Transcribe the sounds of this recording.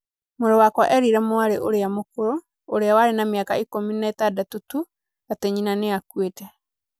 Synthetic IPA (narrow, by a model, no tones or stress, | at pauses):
moɾewakwaʔɛɾiɾɛmoaɾeʔoɾeamokoɾo | oɾeawaɾenameakaikominaetadatotu | atɛɲinaneakwetɛ